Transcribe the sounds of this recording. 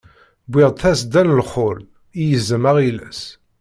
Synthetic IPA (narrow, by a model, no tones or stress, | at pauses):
bʷɪʁt̪æsd̪ænlχʊl | ijəzːəmæʁilæ̰s